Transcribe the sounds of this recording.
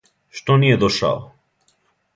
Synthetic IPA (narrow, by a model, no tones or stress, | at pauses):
ʃt̪onied̪oʃa̰o